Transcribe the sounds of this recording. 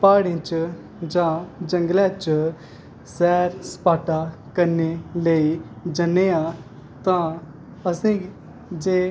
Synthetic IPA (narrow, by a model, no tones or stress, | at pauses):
paːɽẽt͡ʃ | d͡ʒãːd͡ʒə̃ŋɡlɛ̃ːt͡ʃ | sɛːɾspaːʈaːkəɾneːləiː | d͡ʒənːeːãː | t̪ãː | əsĩː | d͡ʒeː